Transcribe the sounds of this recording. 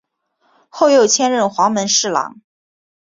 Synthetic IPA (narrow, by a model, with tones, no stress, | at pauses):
xo˥˧ʊjo˥˩ʊt͡ɕʰjɛ˥˧nɻə˥˩nxwɑ˧˥ŋmə˧˥nʂɻ̩˥˩lɑ̰˨˩˥ŋ